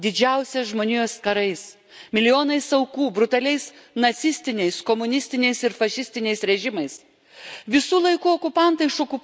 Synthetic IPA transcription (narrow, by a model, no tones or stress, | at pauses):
d̪ʲɪd͡ʒʲɛʊsʲɛsʒmoːnʲijoskɐɾɐɪs | mʲɪlʲɪjoːnɐɪsɐʊkuːbɾʊt̪ɐlʲɛɪs | nɐt̪sʲɪsʲt̪ʲɪnʲɛɪskomʊnʲɪsʲt̪ʲɪnʲɛɪsɪɾfɐʃʲɪsʲt̪ʲɪnʲɛɪsɾʲɛʒʲɪmɐɪs | ʋʲɪsuːlˠɐɪkuːokʊpɑnt̪ɐɪʃoːkʊp